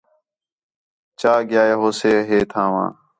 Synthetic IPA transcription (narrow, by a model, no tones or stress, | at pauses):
t͡ʃaːɡɪjaːjeːɦoːseːɦeːt̪ʰãːʋã̰ː